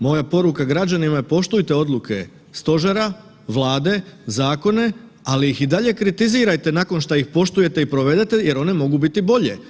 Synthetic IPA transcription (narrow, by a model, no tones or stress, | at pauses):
mo̞japo̞ɾukaɡɾad͡ʑanimapo̞ʃt̪ujt̪e̞o̞d̪lˠukʰe̞ | st̪o̞ʒeɾa | ʋlˠaːd̪e̞zaːko̞ne̞ | alijixid̪aʎe̞kɾit̪iziːɾajt̪e̞nako̞nʃt̪aixpo̞ʃt̪uje̞t̪eipɾo̞ʋe̞d̪e̞t̪e̞je̞ɾo̞ne̞mo̞ɡubit̪ibo̞ʎe